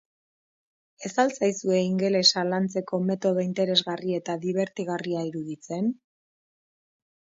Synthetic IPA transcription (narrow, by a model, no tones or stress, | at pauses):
e̞salt͡sajsue̞iŋɡe̞le̞salant͡se̞ko̞me̞t̪o̞ðo̞int̪e̞ɾe̞zɣarie̞t̪aðiβ̞e̞ɾt̪iɣ̞ariaiɾuðit͡se̞n